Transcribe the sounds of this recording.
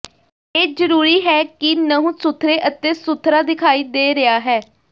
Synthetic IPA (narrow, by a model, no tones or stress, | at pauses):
eːzəɾuːɾiːɦɛːkɪnəɦũːsʊt̪ʰːɾeːʔət̪eːsʊt̪ʰɾaːd̪ɪkʰaːiːd̪eːɾɪaːɦɛː